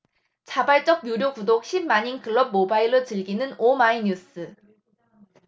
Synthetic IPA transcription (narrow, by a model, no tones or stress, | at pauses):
t͡ɕabaɭt͡ɕ͈ʌk̚mjuɾjokudok̚ɕʰimmaɲinkʰɯɭːʌb̚mobaiɾot͡ɕɯɭɡinɯnomaiɲus͈ʰɯ